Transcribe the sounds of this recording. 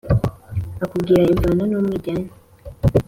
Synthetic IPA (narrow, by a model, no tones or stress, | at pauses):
akubɡiɾaeɱvaːnanomwiːɟana